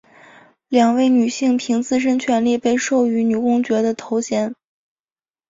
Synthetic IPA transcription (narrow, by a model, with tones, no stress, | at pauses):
ljɑ˨˩ŋwe˥˩ɪny˨˩ɕi˥˩ŋpʰi˧˥ŋt͡sɹ̩˥˧ʂ̬ə˥nt͡ɕʰɥɛ˧˥nli˥˧pe˥˧ɪʂo˥˩ʊy˧˥ny˨˩kʊ˥ŋt͡ɕɥɛ˧˥d̪ə˧t̪ʰo˧˥ʊɕjɛ˧˥n